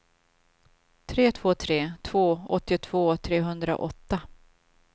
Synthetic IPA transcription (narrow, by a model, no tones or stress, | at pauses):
t̪ʰɾeːt̪ʰv̥oːt̪ʰɾeːt̪ʰv̥oːɔt̪ːɪʊt̪ʰv̥oːt̪ʰɾeːɦɵnd̪ɾa̰ʔɔt̪ːa